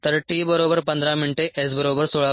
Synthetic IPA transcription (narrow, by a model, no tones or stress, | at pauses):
t̪ɐɾʈibɐɾoːbɐɾpɐnd̪ɾaːmiɳʈeʔes̬bɐɾoːbəɾsoːɭaː